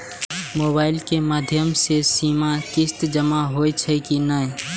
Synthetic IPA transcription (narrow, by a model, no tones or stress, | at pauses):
moːbaːɪlkemaːd̪ʱjəmsesiːmakɪst̪d͡ʒəmaɦoːjt͡ʃʰɛkinəẽ